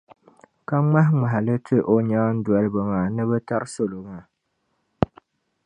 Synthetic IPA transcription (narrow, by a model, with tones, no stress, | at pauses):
ka˦ŋ͡ma˦ɦŋ͡ma˨ɦa˨lɨ˦tʰɨ˦ʔo˦ɲaː˦n̩˦du˨a˦lɨ˦bɨ˨ŋaː˨nɨ˦βɨ˦ta˦ɾɨ˦so˨lo˨˦ŋa˦˨